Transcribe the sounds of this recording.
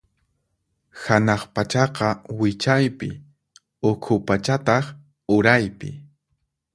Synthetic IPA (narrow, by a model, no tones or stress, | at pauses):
hanɑχpat͡ʃɑqɑwɪt͡ʃajpɪ̰ | ʊkʰʊpat͡ʃat̪ɑχ | ʊɾajpɪ